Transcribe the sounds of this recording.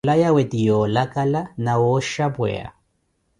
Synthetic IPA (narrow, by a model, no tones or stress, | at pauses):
lajawet̪ijɔlakalanawoʃapwɛ̰a̰